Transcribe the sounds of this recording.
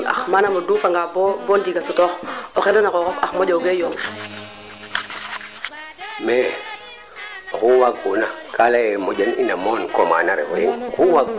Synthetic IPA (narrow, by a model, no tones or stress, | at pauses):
a̰xmanamoduːfaŋɡabbond͡ʒiɡasutoxoxeldonakokofaxmod͡ʒoɡejoŋ | me | xuwaɡunakalajemod͡ʒaninamonkoma̰naɾḛfojiŋkuwaɡ